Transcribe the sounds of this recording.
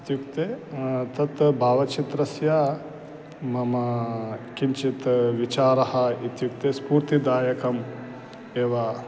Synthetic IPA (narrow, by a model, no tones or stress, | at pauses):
it̪jukt̪eːt̪ɐt̪bʱaːʋɐt͡ʃit̪ɾɐsjaː | mɐmɐkint͡ʃit̪ʋit͡ʃaːɾɐhɐ̆it̪juk̚t̪eːspuːɾt̪id̪aːjɐkɐm | eːʋa